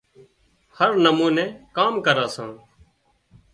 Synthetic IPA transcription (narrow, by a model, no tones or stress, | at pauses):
həɾnəmũːnɛ̃ːkaːmkəɾaːsãː